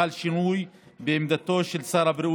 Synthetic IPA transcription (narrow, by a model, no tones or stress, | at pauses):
alʃɪnuːjbemd̪at̪ːoːʃɪlsɑːɾˤɑbɾʔu